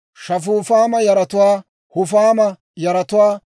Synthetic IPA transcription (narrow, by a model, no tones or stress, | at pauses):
ʃɐfuːfaːmɐjɐɾɐt̪ʊwaː | hʊfaːmɐ | jɐɾɐt̪ʊwaː